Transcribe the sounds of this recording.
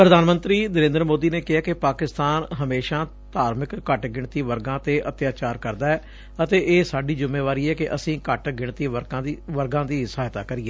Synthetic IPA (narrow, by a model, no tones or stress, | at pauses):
pɾəd̪ʱaːnmə̃nt̪ɾiːnəɾẽːnd̪əɾmoːd̪iːneːkɪɦaːkɪpaːkɪst̪aːnɦəmeːʃãː | t̪aːɾmɪkːəʈɡɪɳt̪iːʋəɾɡãːt̪eːʔət̪jaːt͡ʃaːɾkəɾd̪aːɛː | ət̪eːʔeːsaːɖiːzɪmːeːʋaːɾiːɛːkɪʔəsĩːkəʈɡɪɳt̪iːəɾãʋəɾɡãːd̪iːsəɦaːjt̪aːkəɾiɛː